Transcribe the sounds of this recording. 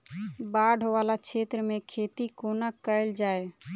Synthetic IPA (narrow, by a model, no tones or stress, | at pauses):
baɖ̤ʱɦoʋalakt͡ʃʰet̪ɾəmẽkʰet̪ikonəkəɪld͡ʒaːe